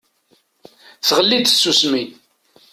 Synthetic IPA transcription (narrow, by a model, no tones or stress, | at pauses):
θʁəlːid̪sːusmin